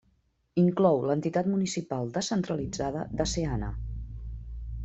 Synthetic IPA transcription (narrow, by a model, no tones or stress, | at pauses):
iŋklɔwlənt̪it̪at̪munisipalˠd̪əsənt̪ɾəlid͡zaðəðəseanə̰